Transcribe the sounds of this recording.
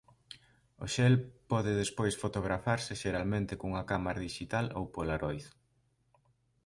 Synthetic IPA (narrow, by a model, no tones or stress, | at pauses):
o̰ʃɛlpɔðɪðespojsfot̪oɣ̞ɾafaɾsɪʃeɾalmẽnt̪ɪkouŋakamaɾaðiʃit̪alo̰wpolaɾojθ